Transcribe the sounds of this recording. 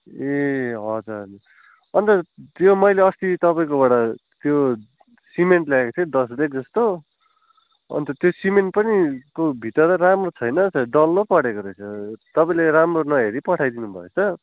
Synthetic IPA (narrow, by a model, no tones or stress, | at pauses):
eɦʌd͡zuɾʌn | ʌnt̪ʌt̪jomʌjleʌst̪it̪ʌpaĩkobaɽat̪jo | simeɳʈlaekot͡sʰʌd̪ʌsdek̚d͡zʌst̪o | ʌ̰nt̪ʌt̪josimeɳʈ̚pʌnikobʱit̪ʌɾtʌramrot͡sʰʌjnʌsʰʌɖʌlːʌpʌɽekoɾʌjt͡sʰʌt̪ʌpaĩleɾamronʌɦeɾipʌʈʰajd̪inubʱʌ̰et͡sʰʌ